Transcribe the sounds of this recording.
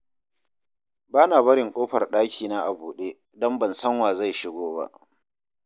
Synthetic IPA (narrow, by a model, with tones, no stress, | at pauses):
baː˦naː˨bɐ˦ɾɪ˨ŋkʷʼoː˦ɸɐ˨rɗaː˦kʲʰiː˨na˦ʔa˨buː˨ɗeː˦ | dɔ˦mbɐ˨nsɐ˦ŋwaː˨za˦˨jʃɪ˦ɡʷoː˦ba̰˦ʔ